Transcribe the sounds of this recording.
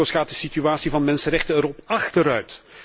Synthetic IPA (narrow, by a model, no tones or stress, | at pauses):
owsxaːt̚dəsityaːtsivɑnmɛnsərɛxtəɛɾɔpɑxtəɾœɥt